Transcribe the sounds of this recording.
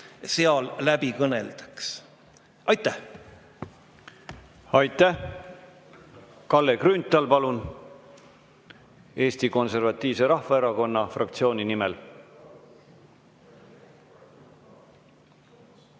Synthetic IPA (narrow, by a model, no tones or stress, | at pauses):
seɑllæbikɤnḛld̪̥ɑ̥ks | ɑjt̪ːˑæh | ɑjt̪ːˑæh | kɑlːekrynt̪ːˑɑlpɑlun | e̞ːst̪iko̞nse̞rvɑt̪ːˑiːvse̞ɾɑhvɑeɾɑko̞nːɑfrɑk̚t̪sio̞ːnʲinimɛl